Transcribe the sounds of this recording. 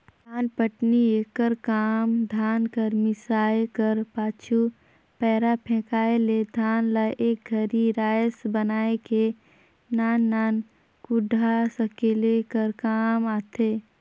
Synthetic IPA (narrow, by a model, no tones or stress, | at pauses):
aːnpəʈnieːkəɾkaːmd̪ʱaːnkəɾmɪsaːekəɾpaːt͡ʃʰu | pɛːɾapʰɛ̃ːkaːeled̪ʱaːnlaʔeːk̚ɡʱəɾiɾaːjəsbənaːeke | naːnːaːn | kʊɖʱasəkelekəɾkaːmaːt̪ʰeː